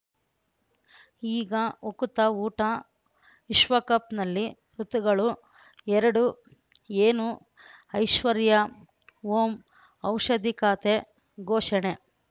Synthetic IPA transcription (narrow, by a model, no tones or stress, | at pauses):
iːɡɐokut̪ɐuːʈɐ | iʃʋɐkɐpnɐlːi | ɾut̪uɡɐɭu | ɛɾɐɽu | eːnu | ɐjʃʋɐɾjɐ | ʋoːm | ɐwʂɐd̪ʱikaːt̪e | ɡoːʂɐɳe